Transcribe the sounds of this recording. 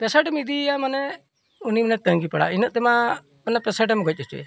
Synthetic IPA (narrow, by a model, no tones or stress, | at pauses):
pɛsəɖɛmid̪iamanɛ | uniminɛt̪əŋɡipaɽa̰inəʔ̚t̪ɛma | mɛnɛpɛsəʈɛmɡɔc̚ˀɛt͡ʃɛ̰